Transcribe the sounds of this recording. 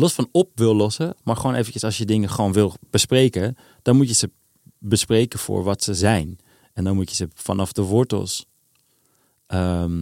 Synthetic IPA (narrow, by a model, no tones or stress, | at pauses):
lɔsfɑnɔp̚ʋɪlˠlɔsəmaːɹχəʋoːnejvəncəsɑlsjədɪŋəχəʋoːnʋɪlˠb̥əsprejkə | d̥ɑnmutjəzə | bəsprejkəfʊ̰ːɹʋɑtsəzɛjn | ɛndɔnmutjəzəfɑ̰nɑfdəʋɔɹtə̰lˠs | ʔəm